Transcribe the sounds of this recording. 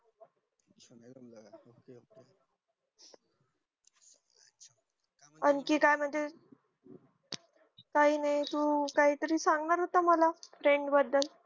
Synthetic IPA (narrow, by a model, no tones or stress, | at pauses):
ənkiːkajm̤ənd͡ze | k̪aɦiːnajt̪ukaɦiːt̪əɾiːsaŋɡnaɾɦot̪aməlafɾeɳɖbəd̪ːəl